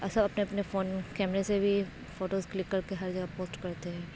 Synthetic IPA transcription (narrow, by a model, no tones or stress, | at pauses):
ɐsɐbɐpneɐpnefoːnkɛːmɾesebʱi | foːʈoːzklɪkːɐɾkeɦɐɾd͡ʒɐɡapoːsʈkɐɾt̪eɦɛ̃ː